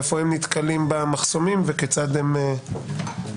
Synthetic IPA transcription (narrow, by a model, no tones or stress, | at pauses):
efoimnit̪kalimbamaχso̞mimveket͡sad̪em